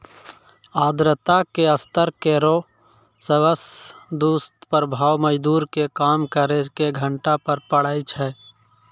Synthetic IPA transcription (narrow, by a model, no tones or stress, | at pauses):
aːd̪ɾət̪akeəst̪əɾkeɾo | səwəsd̪uːst̪pəɾbʱaːwməd͡ʒd̪uːɾkekaːmkəɾekeɡʱəɳʈapəɾpəɽaːit͡ʃʰɛː